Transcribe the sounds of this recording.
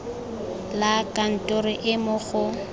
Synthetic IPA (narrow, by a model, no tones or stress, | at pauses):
lakʼan̩tʼʊɾɪʔɪmʊɣʊ